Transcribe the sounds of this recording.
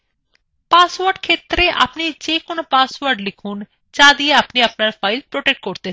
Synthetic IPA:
paːsʋəɾɖkʰeːt̪ɾeʔa̰ːpned͡ʒeːkʊnpaːsʋəɾɖlɪkʰuːn | t͡ʃaːd̪ieapneapnaːpʰaːɪlpɾoːʈek̚ʈ̚koɾt̪e

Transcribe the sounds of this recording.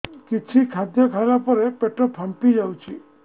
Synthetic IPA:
kit͡ʃʰikʰad̪jɔkʰalapɔɾepeʈɔpʰampid͡ʒawt͡ʃʰi

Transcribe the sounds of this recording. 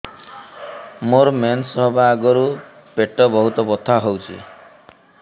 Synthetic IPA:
moɾmensɔɦbaːɡɔɾu | peʈɔbɔɦut̪ɔbɔt̪ʰaɦowt͡ʃʰḭ

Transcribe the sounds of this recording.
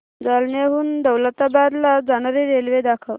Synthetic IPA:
d͡zalɳjaɦuːnd̪əwlət̪abad̪lad͡zanaɾeɾelʋed̪akʰəʋ

